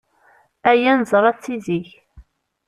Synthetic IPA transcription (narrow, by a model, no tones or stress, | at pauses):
æjænzˤɾˤɑt͡sːiziç